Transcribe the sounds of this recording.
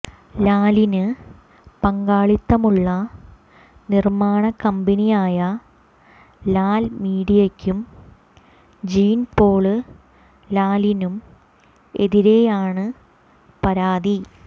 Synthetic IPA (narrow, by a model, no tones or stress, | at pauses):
laːlinɨ | pɐŋɡaːɭit̪ːɐmuɭːɐ | nirmaːɳɐkːɐmbɐnijaːjɐ | laːlmiːɽijɐkʲːum | d͡ʑiːnpo̞ːɭɨ | laːlinum | e̞̰ðiɾe̞jaːɳɨ | pɐɾaːði